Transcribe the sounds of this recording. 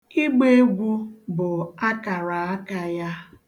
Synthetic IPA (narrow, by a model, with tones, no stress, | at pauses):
i˦ɡ͡be˦e˦ɡʷu˦bʊ˨a˦ka˨ɾa˨a˦ka˦ja˦